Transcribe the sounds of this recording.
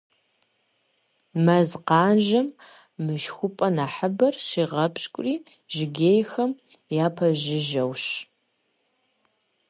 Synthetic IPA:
mɐzqɑːnʒɐmː | ɨʃxʷʊpʼɐnaːħəbɐrʃiːʁɐpʰɕʼkʷʼʊriː | ʒ̥ɪɡʲeːjxɐm | jaːpʰɐʒɪʒɐwɕ

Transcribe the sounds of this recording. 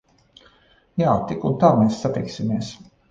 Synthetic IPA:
jaːt̪ikunt̪aːmeːsːat̪iksimeɛs

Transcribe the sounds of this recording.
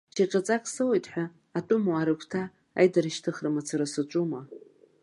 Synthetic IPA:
t͡ʃʰaqʲʼat͡sʼakʼsɨwejtʼħʷᶣaː | tʼʊmuaɾɨkʷʰtʰaː | jdaɾɨʃtʰɨχrɨmat͡sʰaɾasɨt͡ʃʷʼuma

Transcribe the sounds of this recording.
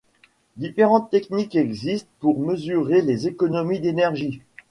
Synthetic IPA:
d̪ifeʁɑ̃t̪ːɛknikɛɡzist̪puʁməzyʁelezekɔnɔmid̪enɛʁʒi

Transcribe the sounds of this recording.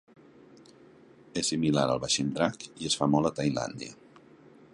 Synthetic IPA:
esimilaɾə̰lˠβaʃind̪ɾakiəsfamɔlˠət̪ajla̰nd̪ḭə̰

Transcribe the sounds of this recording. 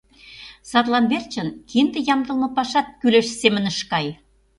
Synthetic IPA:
sɑrlˠɑnbert͡ɕənkind̪ĕjɑmd̪ɤ̆lˠmɤ̆pɑʃɑt̪̚kyleʃsemɘ̆nə̆ʃkɑj

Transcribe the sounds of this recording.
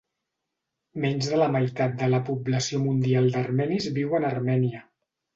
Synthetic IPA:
mɛɲʲzðələməjt̪at̪̚d̪ələpubləsiomund̪ialˠd̪ərmɛnizβiwənərmɛniə

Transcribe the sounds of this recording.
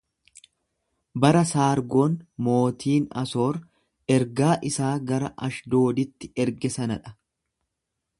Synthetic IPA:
bɐɾɐsaːɾɡo̞ːnmo̞ːt̪ʰiːnɐ̰so̞ːɾ | ɛɾɡaːʔɪsaːɡɐɾɐʔɐʃd̪o̞ːd̪ɪt̪ːɪ̥ɛɾɡɛsɐnɐᶑɐ̥

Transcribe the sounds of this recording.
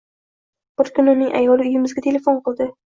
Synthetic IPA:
bʊɾkʲʊnʊnːɪŋʔa̰jɒlˠɪʊjɪmɪzɡʲat̪ʰe̞le̞fonqɨlˠd̪ɪ

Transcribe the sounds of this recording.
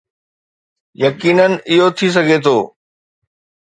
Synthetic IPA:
jɐkiːnənɪ̆ɪɦot̪ʰis̬ɐɡʱet̪ʰoː

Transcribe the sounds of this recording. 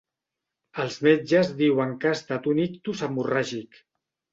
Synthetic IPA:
əlˠzmed͡ʒəzðiwəŋkaːst̪at̪unikt̪usamuraʒik

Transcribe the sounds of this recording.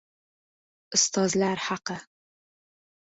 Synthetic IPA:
ʔʊst̪ʰɑːzlaɾħaqə

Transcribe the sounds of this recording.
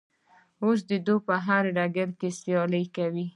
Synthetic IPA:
os̬d̪əd̪opəɦaɾɖaɡaɾkesjɑləjkawi

